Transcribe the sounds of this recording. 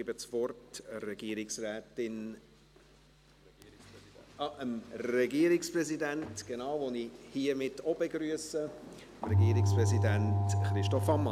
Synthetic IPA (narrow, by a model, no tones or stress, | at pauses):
ibət͡sʋɔrtərɛɡ̥iəɾɪksrɛːtɪn | ʔəmrɛɡiːəɾɪksprɛzidæntɡ̥enaʊvonihiəmɪtɔb̥eɡɾyəsə | mɾɛɡiːɾɪkspɾɛzidæntχɾɪʃtɔfɑmːɑ